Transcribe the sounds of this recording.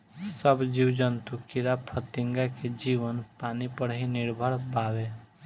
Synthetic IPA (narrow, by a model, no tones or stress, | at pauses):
səbd͡ʒiwd͡ʒənt̪ukiɾapʰət̪ɪŋɡaked͡ʒiʋənpanipəɽɦĩnɪɾbʱəɽbawe